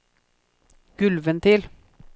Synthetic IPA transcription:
ɡ̥ʉlʋənt̪ʰɪl

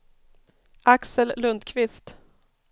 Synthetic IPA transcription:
ʔaksəllɵnd̪kʰvɪst̪

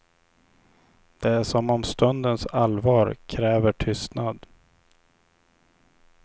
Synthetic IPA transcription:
d̪̥ɛæʂɔmɔmst̪ɵnd̪ənsalvɑːɾkʰɾɛːvəʈʰʏst̪nad̪

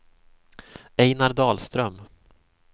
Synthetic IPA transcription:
ɛjnaɾd̪ɑːlst̪ɾœm

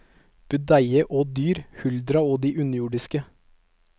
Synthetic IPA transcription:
b̥ʉd̪æɪəʔoːd̪yːɾhʉld̪ɾɑoːd̪iːʔʉnəjuːɖɪskə

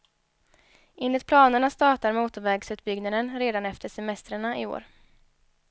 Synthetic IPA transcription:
ɪnlɪt̪̚pʰlɑːnəɳast̪ɑːʈaɾmuːt̪ʊvɛːɡsʉ̟ːt̪bʏɡnad̪ənɾeːd̪anɛft̪ʰəʂɛmɛst̪ɾəɳaʔɪo̰ːɾ

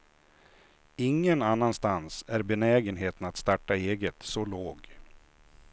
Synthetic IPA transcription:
ɪŋːənanːanst̪ansæɾbɛnɛːɡənɦeːt̪ənat̪st̪aʈːaeːɡət̪sɔloːɡ

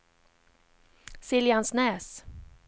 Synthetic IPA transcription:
sɪljansnɛːs

